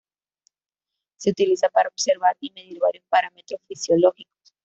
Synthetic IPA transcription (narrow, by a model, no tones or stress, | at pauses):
seut̪ilisapaɾaobseɾβaɾimeðiɾβaɾjospaɾamet̪ɾosfisjoloxiko̥s